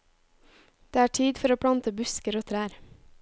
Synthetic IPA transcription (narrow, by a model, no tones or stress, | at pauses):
d̪̥eːæːʈʰiːd̪fɔɾoːpʰɽɑnt̪əbʉskəɾoːt̪ʰɾæːɾ